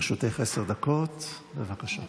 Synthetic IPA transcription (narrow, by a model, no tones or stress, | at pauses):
ʃot̪eχeseʁd̪ako̞t̪ | bevakaʃa